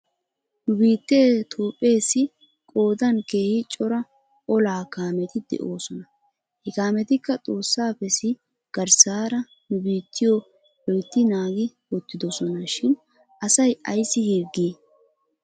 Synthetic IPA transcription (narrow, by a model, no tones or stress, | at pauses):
nʊbiːt̪ːeːt̪ʰoːpʼːe̞ːsːɪ | kʼo̞ːd̪ɐnke̞ːhɪt͡ʃʼɔɾɐ | ʔɔlaːkaːmɛt̪ɪd̪ɛ̰ʔo̞ːsɔnɐ | hɛkaːmɛt̪ɪkːɐt͡sʼo̞ːsːaːpɛsɪ | ɡ̥ɐɾsaːɾɐ | nʊbiːt̪ːɪjo | wɔjt̪ːɪnaːɡɪ | wɔt̪ːɪd̪ɔsɔnɐʃɪn | ʔɐsɐjɐjsːɪhiɾɡeː